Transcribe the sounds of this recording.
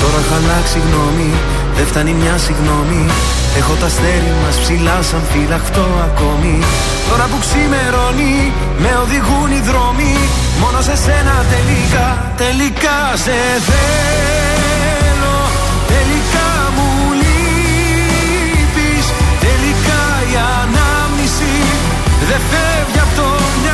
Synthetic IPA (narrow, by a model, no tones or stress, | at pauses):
t̪o̞ɾɐxɐlɐksiɣno̞mi | ðeft̪ɐnimɲɐsiɣno̞mi | e̞xo̞t̪ɐst̪e̞ɾiɐmɐspsilɐsɐmfilɐxt̪o̞ɐko̞mi | t̪o̞ɾɐpuksime̞ɾo̞ni | me̞o̞ðiɣuniðɾo̞mi | mo̞no̞se̞se̞nɐt̪e̞likɐ | t̪e̞likɐ | se̞ | θe | lo | t̪e̞likɐ | mu | li | pist̪elikɐ | iɐ | nɐ | mnisi | ðe̞fe | vʝɐpt̪o | mɲ